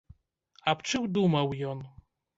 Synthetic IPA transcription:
ɐpt͡ʂɨwd̪umɐwjɔn

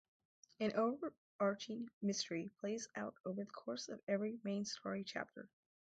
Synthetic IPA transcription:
ɨ̃nʔoʊvə˞ | ɑɹt͡ʃɪ̃ŋmɪstə˞ipʰl̥eɪza̰ʊɾoʊvə˞ðəkʰɔɹsʌ̰vɛvɹimẽɪ̃nstʰɔɹit͡ʃʰæ̰p̚tʰə̰˞

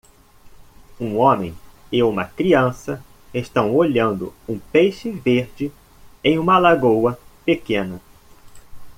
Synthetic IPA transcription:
ũõmḛ̃j̃ɪũmɐkɾiɐ̃sɐ | eʃt̪ɐ̃w̃oʎɐ̃nd̪ʊ̰ũpejʃɪveɾd͡ʒɪ | ẽj̃ũmɐlaɡowɐpekẽnɐ

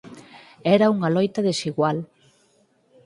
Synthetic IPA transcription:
ɛɾɐuŋɐlɔjt̪ɐðesiɣwal

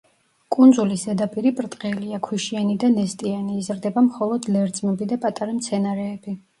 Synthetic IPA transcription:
kʼund̪zulisɛd̪apʼiɾipʼɾt̪ʼqʼɛliakʰwiʃianid̪anɛst̪ʼianiːzɾd̪ɛbamχɔlˠɔd̪lɛɾd̪sʼmɛbid̪apʼat̪ʼaɾamt̪sʰɛnaɾɛːbi

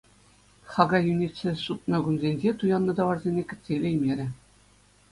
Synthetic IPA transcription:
χɑɡɑjunʲit͡sɘ̆ʂut̪̚nɤ̆ɡunzʲenʲʑet̪ujɑnːɤ̆d̪ɑʋɑrzʲenʲekʲɘ̆sʲelʲĕjmʲeɾʲɘ̆

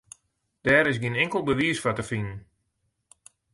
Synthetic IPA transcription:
d̥ɛːɾɪs̬ɡiənɪŋkəlˠbəʋiəsfatəfinən

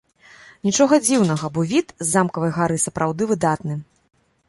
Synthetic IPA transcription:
nʲit͡ʂɔɣɐd͡zʲiwnɐɣɐbɔvʲit̪zːamkɐvɐjɣaɾɨsɐpɾʔawd̪ɨvɨd̪at̪nɨ

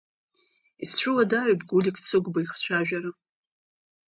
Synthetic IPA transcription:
ist͡ɕʷʊladarabɡʷulʲikʰʼt͡sʰɨɡʷbaiχt͡ɕʷʰaʒᶣaɾa

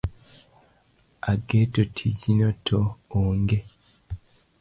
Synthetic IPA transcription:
aɡetotʰiɟinotʰooːŋɡe

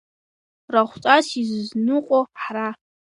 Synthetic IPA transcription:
raχʷt͡sʼasizznɨqʷʼoħra

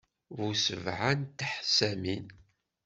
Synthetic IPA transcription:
vusəvʕant̪ħsæmin

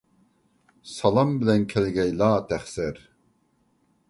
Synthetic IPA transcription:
sɑlɑmbilɛnkʰɛlɡɛjlaːt̪ʰæχsɛɾ

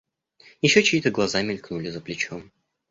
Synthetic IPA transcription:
jɪɕːot͡ɕiːt̪əɡlˠɐzamʲɪlʲknulʲɪzəplʲɪt͡ɕom

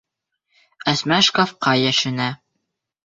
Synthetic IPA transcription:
æsmæʃkofqɑjæʃɘ̆næ

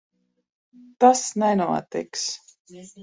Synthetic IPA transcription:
t̪asnɛnuɔt̪ḭks

